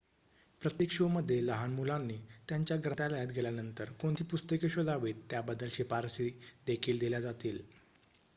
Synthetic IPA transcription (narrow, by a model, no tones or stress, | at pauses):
pɾət̪jekʂoməd̪ʱːjeləɦanmulanːiːt̪jaɲt͡ɕjaɡɾət̪aləjət̪̚ɡʱeljanənt̪əɾkoɳt̪ʰiːpust̪əkeɕod̪ʱaʋiːt̪ːjabəd̪ːəlɕepaɾsid̪ekʰiːld̪iljad͡zat̪iːl